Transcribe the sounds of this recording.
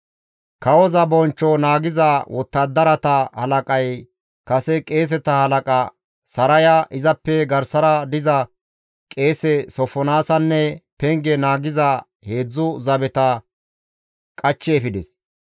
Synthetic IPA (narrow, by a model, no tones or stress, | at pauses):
kɐwɔzɐbɔnt͡ʃːɔnaːɡɪzɐwʔɔt̪ːɐd̪ːɐɾɐt̪ɐhɐ̰lɐkʼɐj | kɐsɛkʼe̞ːs̬ɛt̪ɐhɐlɐkʼɐ | sɐɾɐjɐʔɪzɐpːɛɡɐɾsɐɾɐd̪ɪzɐ | kʼe̞ːsɛsɔfɔnaːsɐnːɛpɛŋɡɛnaːɡɪzɐ | he̞ːd͡zːʊzɐbɛt̪ɐ | kʼɐt͡ʃːeːfɪd̪ɛs